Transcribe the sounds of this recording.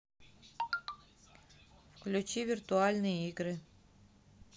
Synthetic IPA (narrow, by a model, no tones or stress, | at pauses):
fklʲut͡ɕivʲirt̪ualʲnɨjəiɡɾɨ